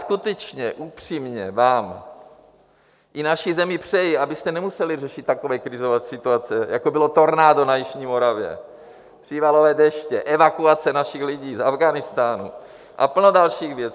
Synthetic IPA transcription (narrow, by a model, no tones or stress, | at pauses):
skut̪ɛt͡ʃɲɛ̰ʔupr̥iːmɲɛvaːm | ʔɪnaʃɪzɛmɪpr̝̥ɛjɪʔabɪst̪ɛnɛmusɛlɪrɛʃɪt̪ːakovɛːkɾɪzovɛːsɪt̪uat͡sɛjakobɪlot̪o̞ɾnaːdonajɪʃɲiːmo̞ɾavjɛ̰ | pr̥ivalovɛːdɛʃcɛʔɛvakuat͡sɛnaʃɪxlɪɟiːzavɡanɪst̪aːnṵ | ʔa̰pl̩nodalʃiːɣvjɛt͡s